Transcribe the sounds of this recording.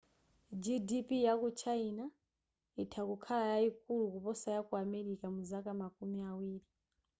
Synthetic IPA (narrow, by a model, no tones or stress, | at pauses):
d͡ʒidipijakut͡ʃʰaina | itʰakukʰalajaik̚ulukupɔsajakuamɛɾikamuzakamakumiawiːɾi